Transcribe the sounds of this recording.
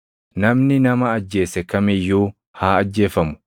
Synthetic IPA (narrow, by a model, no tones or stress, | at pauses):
nɐmnɪnɐmɐːd͡ʒːe̞ːsɛkɐmɪjːuː | haːɐd͡ʒːe̞ːfɐmʊ̥